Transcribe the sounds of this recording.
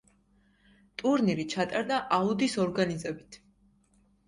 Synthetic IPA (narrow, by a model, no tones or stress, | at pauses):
t̪ʼuɾniɾit͡ʃʰat̪ʼaɾd̪aʔaud̪isɔɾɡanizɛbit̪ʰ